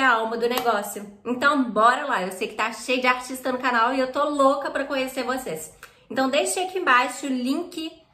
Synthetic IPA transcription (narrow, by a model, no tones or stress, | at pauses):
awmɐd̪ʊneɡɔsjʊẽnt̪ɐ̃w̃bɔɾɐlaewsejʊkɪ̥t̪aʃejʊd͡ʒɪaɾt͡ʃist̪ɐnʊkanawɪewt̪olokɐpɾɐkõɲeseɾvoses | ẽnt̪ɐ̃w̃d̪ejʃɐkiẽbajʃʊʊlĩkʲɪ